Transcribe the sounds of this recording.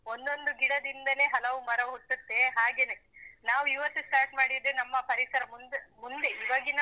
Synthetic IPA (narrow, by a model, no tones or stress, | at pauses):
ond̪o̞nd̪uɡiɽɐd̪ind̪ɐle̞ːɦɐlɐʋumɐɾɐɦuʈːut̪ːe̞ɦaːɡe̞ːnenaːʋuiːʋɐɾt̪ːusʈaːɾʈmaːɽid̪ɾenɐmːɐpɐɾisɐɾɐmund̪emund̪e̞iːʋaːɡina